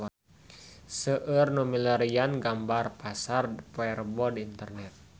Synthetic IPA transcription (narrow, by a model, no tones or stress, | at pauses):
səʔərnumilaɾijanɡambarpasarpɔɛrbɔdiint̪ərnɛt̪̚